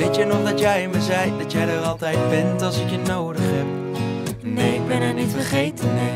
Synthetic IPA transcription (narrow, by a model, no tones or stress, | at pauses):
ejtjənɔχdɑtjɛjməzɛjdɑtjɛjdərɑlˠtɛjt̚bɛntɑlˠsɪkjənowdəχɦɛp̚ | nejɪɡ̚bɛnɛnitfəχejtən